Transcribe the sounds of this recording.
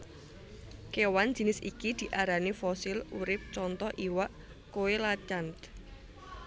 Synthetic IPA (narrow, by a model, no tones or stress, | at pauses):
kewan̥d͡ʒə̤nɪsikid̪̥i̤ʔaɾanefɔsɪluɾɪp̚t͡ʃɔnt̪ɔʔiwaʔ | kowelat͡ʃant̪